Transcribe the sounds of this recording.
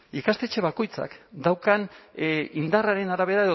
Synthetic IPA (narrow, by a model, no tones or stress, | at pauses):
ikast̪e̞t͡ʃe̞β̞ako̞jt͡sa̰kd̪awkan | ind̪araɾe̞naɾaβ̞e̞ɾae̞ðo